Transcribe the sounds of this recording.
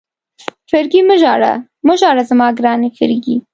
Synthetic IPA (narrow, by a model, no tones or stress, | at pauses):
fɪɾɡiməʒɑɽa̰ | məʒɑɽazamɑɡɾɑnexəɾɡi